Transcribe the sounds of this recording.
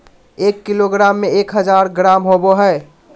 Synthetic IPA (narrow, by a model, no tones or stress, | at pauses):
eːkːiloɡɾaːmːẽeːkɦəd͡ʒaːɾɡɾaːmɦoboɦɛe